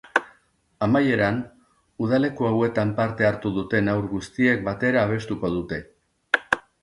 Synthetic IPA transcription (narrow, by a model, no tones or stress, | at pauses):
amaje̞ɾan | uðale̞kuawe̞t̪ampaɾt̪e̞aɾt̪uðut̪e̞nawɾɣust̪ie̞k̚bat̪e̞ɾaːβ̞e̞st̪uko̞ðut̪e̞